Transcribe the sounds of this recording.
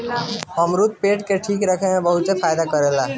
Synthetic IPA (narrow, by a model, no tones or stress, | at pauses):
əmɾut̪̚peʈkeʈʰiːkɾəkʰeɦẽbəɦut̪sepʰajd̪akəɾela